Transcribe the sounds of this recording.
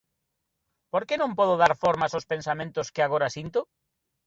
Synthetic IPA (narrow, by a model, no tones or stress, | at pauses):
poɾkenõmpɔð̞ʊðaɾfoɾmasospẽnsamẽnt̪ʊskɪaɣ̞oɾasint̪ʊ